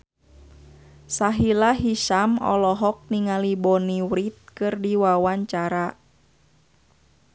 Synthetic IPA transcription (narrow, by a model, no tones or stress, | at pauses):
saɦilaɦiʃamɔ̰lɔɦɔk̚niŋalibɔniwɾit̪̚kɨrdiwawaɲt͡ʃaɾa